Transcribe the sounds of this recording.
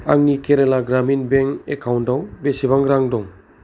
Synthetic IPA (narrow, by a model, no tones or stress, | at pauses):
a̰ŋnikʰeɾelaɡɾaminbeŋekʰawndawbesibaŋɾaŋdɔŋ